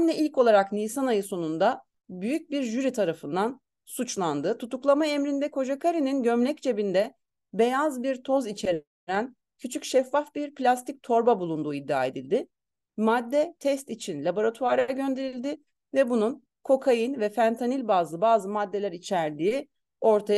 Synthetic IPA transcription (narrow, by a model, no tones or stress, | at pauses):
mʲɛʔilʲco̞lˠaɾaknijsanajɯso̞nund̪a | byjyc̚biɾʒyɾit̪ʰaɾafɯnd̪an | sut͡ʃlˠand̪ɯt̪ʰut̪uklˠamaemɾind̪ɛkʰo̞d͡ʒakʰaɾininɟømlʲɛc̚t͡ʃʰe̞bind̪ɛ | be̞jazbiɾt̪ʰo̞zit͡ʃʰeɾ | ɾæn | cʰyt͡ʃʰycʃɛfːafbiɾpʰlʲast̪ʰic̚t̪ʰo̞ɾbabulˠund̪uːid̪ːia̰ːe̞d̪ilʲd̪ɪ | mad̪ːɛt̪ʰɛst̪it͡ʃʰinlʲabo̞ɾat̪ʰuaɾaɟø̞nd̪e̞ɾilʲd̪ɪ | vɛbunun | kʰo̞kʰajɯnvɛfænt̪ʰanilʲbaːzˠɯbaːzɯmad̪ːe̞lʲæɾit͡ʃʰæɾd̪iː | o̞ɾt̪ʰaj